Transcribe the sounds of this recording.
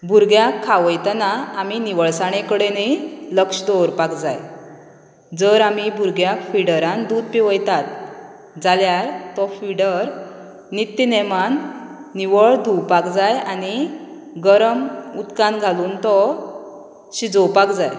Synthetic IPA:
bʱuɾɡjakʰːaʋəjt̪anaːminiʋəɭsaɽ̃ẽkəɽeniləkʂd̪ɔwɾpakd͡zaj | d͡zəɾamibʱuɾɡjakfiɽəɾãnd̪ud̪̚piʋəjt̪at̪̚ | d͡zaljaɾt̪ɔfiɽəɾ | nit̪ːinɛmanːiʋəɭd̪ʱuwpakd͡zajani | ɡəɾəmut̪kãnɡʱaluːnt̪ɔ | ɕid͡zɔwpakd͡zaj

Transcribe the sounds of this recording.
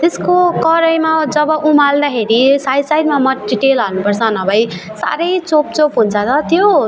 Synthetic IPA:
t̪eskokʌɾʌjmad͡zʌbʌʔumald̪akʰeɾisajsajdmamʌɖiʈelɦʌnupʌrt͡sʰʌnʌbʱʌj | sa̰ɾʌjt͡sop̚t͡sopɦunt͡sʰʌt̪ʌt̪jo

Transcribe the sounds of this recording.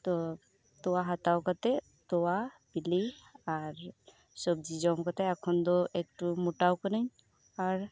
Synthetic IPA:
t̪ɔ | t̪ɔwaɦat̪awkat̪ɛ | t̪ɔwabiliaɾ | sɔb̚d͡ʒid͡ʒɔmkat̪ɛakʰɔnd̪ɔʔek̚ʈumuʈawkənəɲ | aɾ

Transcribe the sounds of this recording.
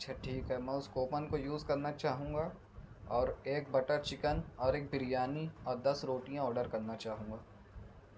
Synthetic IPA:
ɐtːʃʰaʈʰiːkɦɛmɛ̃ːʊskoːpənkojuːzkɐɾnat͡ʃaːɦũːŋɡa | ɔːɾeːk̚bɐʈət͡ʃɪkənɔːɾeːk̚bɪɾɪjaːniɔːɾd̪ɐsɾoːʈijãɔːɾɖəɾkɐɾnat͡ʃaːɦũːŋɡaː

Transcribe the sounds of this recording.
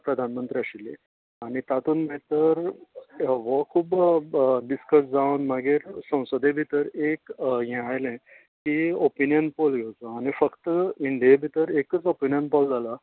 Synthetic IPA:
pɾəd̪ʱanmənt̪ɾiaɕilẽ | aɽ̃it̪at̪uːnmet̪əɾ | ʋəkʰuːb | ɖiskəsd͡zawnmaɡiːɾsə̃w̃sod̪ebʱit̪əɾekɦɛ̃ajlɛ̃ | kiopinijənpolɡʱewt͡səaɽ̃ifəkt̪əiɳɖijabʱit̪əɾekət͡sopinijənpɔld͡zʱala

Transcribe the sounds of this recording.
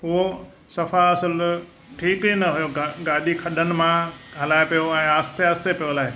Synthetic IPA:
ɦʊɦo | sɐfaɐsɪl | ʈʰiːkinɐɦʊjoɡaːɗikʰɐɗənɪ̆mãɦɐlaːepijoɛ̃ːaːst̪eaːst̪epijolaːɦe

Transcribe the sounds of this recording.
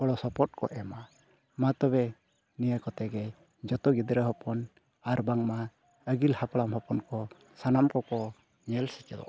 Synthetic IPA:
kɔɽɔsɔpɔt̚kɔ̰ʔɛma | mat̪ɔβɛ | nijakɔt̪ɛɡɛ | d͡ʒɔt̪ɔɡid̪ɾaɦɔpɔn | aɾbaŋma | əɡilhapɽamɦɔpɔnkɔ | sanamkɔkɔ | ɲɛlsɛt͡ʃɛd̪ɔ̰

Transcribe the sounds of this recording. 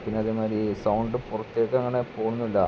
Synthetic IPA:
pinːɨɐðimaːɾisɐwɳɖɨpurɐt̪ːeːkːɐɐŋːɐɳepo̞ːɳunːulːɐ̰

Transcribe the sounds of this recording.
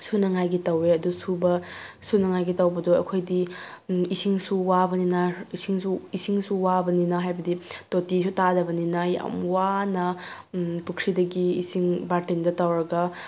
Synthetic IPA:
sunɐŋajɡitɐweɐdusubɐsunɐŋajɡitawbɐdoɐkʰojdi | isiŋsuwabɐninɐisiŋsuisiŋsuwabɐninɐɦajbɐditotisutadɐbɐninɐja̰mwanɐ | pukʰɾidɐɡiːsiŋbaɾtindɐtawɾɐɡɐ

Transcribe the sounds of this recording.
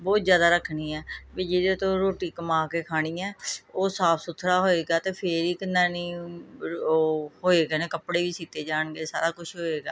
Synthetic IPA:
bɔːt̪zjaːd̪aːɾəkʰniːɛːbiːd͡ʒeːd̪et̪õːɾoːʈiːkəmaːkeːkʰaːɽ̃iːɛ̃ːoːsaːpʰsʊt̪ʰːɾaːɦoːeːɡaːt̪eːpʰeɾiːkənːaːnĩː | hoːeːɡeneːkəpɽeːʋiːsiːt̪eːd͡ʒaːɳɡeːsa̰ːɾaːkʊʃʰɦoːeːɡa̰ː

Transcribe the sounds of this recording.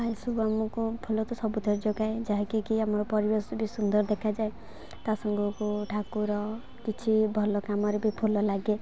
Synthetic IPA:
bʱajsubamɔkupʰulɔt̪ɔsɔbut̪ʰɔɾd͡ʒoɡaed͡ʒaɦekikiamɔɾɔpɔɾibesɔbʱisund̪ɔɾd̪ekʰad͡ʒae | t̪asɔŋɡukuʈʰakuɾɔ | kit͡ʃʰibʱɔlɔkamɔɾebʱipʰulɔlaɡe

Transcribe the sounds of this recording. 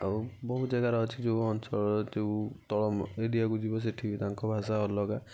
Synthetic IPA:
aubɔɦutzaɡaɾɔɔt͡ʃʰid͡ʒoɔnsɔɭd͡ʒeut̪ɔɭɔmeɖijaɡud͡ʒibɔs̬iʈʰibit̪aŋkʰɔbʱasaɦɔlɔɡa

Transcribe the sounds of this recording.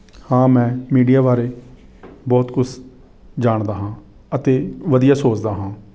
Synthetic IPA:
hãːmɛ̃ːmiːɖijaːbaːɾeː | bɔːt̪kʊt͡ʃʰ | d͡ʒaːɳd̪aːɦãː | ət̪eːʋəd̪ɪjaːsoːt͡ʃd̪aːɦãː

